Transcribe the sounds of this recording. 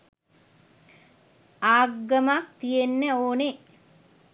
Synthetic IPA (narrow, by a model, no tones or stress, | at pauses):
aːɡːəmak̚t̪ijenːəoːne